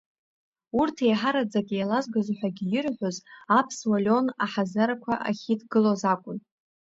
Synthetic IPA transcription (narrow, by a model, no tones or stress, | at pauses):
urtʰejħaɾad͡zakʲʼijalazɡazħʷᶣaɡʲijɪrħʷᶣozapʰswalʲo̞naħazaɾakʷʰaʔaχʲidɡɨlozakʷʼʊn